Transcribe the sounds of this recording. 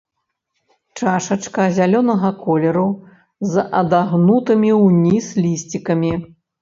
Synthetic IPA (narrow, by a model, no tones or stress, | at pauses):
t͡ʂaʂɐt͡ʂkɐzʲalʲɔnɐɣɐkɔlʲɛɾu | zʔɐd̪aɣnut̪ɨmʲiwnʲislʲisʲt͡sʲikɐmʲi